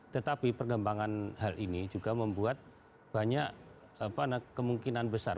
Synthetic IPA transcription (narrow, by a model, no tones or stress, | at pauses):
t̪ət̪apipərɡəmbaŋanɦalʔinid͡ʒuɡaməmbuat̪̚ | b̥aɲaʔ | apanakəmuŋkinanbəsa̰r